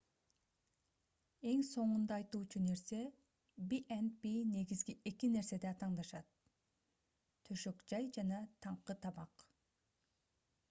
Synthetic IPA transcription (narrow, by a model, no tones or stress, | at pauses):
e̞ŋso̞ɴund̪ɑːjt̪uːt͡ʃune̞ɾse̞ | biʔenbine̞ɡizɡiʔe̞kine̞ɾse̞d̪eɑt̪ɑɴd̪ɑʃɑt̪̚ | t̪ʰø̞ʃø̞kd͡ʒɑjd͡ʒɑnɑt̪ʰɑɴqɯt̪ʰɑbɑq